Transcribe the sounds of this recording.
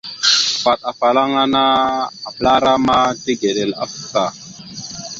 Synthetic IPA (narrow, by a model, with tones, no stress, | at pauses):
fa˨t̚a˨fa˨la˦ŋa˦na˦a˨pla˦ɾa˦ma˦ti˦ɡe˨ɗe˨la̰˨fu̥˦˨˦sa˨